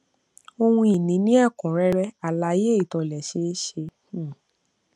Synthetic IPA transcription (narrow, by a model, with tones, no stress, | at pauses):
o˧hũ˧i˨nĩ˨˦nĩ˦a˦˨kɔ̃˨ɾɛ˦ɾɛ˦a˨la˨˦je˦i˦˨tɔ˧˨lɛ˨ʃe˧˦ʃẽ˧˦˨